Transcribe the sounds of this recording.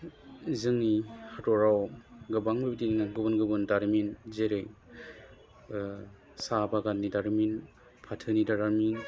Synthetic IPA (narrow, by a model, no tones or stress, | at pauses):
zɯŋnihatɔɾawɡɯbaŋbɯbitininaɡɯbɯnɡɯbɯndaɾminzeɾej | sabaɡanːidaɾmin | pʰatʰɯnidaɾaɾmin